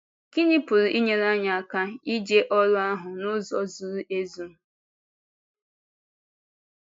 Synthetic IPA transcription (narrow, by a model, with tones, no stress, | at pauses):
ki˦ɲɪ˦pʊ˨ɾʊ˨ʔi˦ɲe˨ɾa˦ɲa˨a˨ka˦i˦d͡ʒe˦ʔɔ˦ɾʊ˦a˦ɦʊ˨nʊ˦zɔ˦zu˨ɾu˦ʔe˦zu˨˦˨